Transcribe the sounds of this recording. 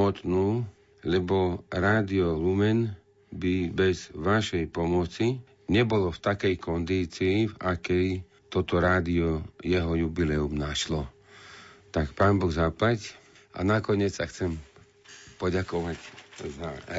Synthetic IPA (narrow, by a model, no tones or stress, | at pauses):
ɔt̪nuː | lɛbɔɾaːd̪iɔlumɛn | bibɛzʋaʃɛjpɔmɔt͡si | ɲɛbɔlɔft̪akɛjkɔnd̪iːt͡siːvakɛj | t̪ɔt̪ɔɾaːd̪iɔjɛɦɔjubilɛumnaʃlɔ | t̪akpaːnbɔɣzaplac | a̰nakɔɲɪɛt͡ssaxt͡sɛm | pɔɟakɔʋacza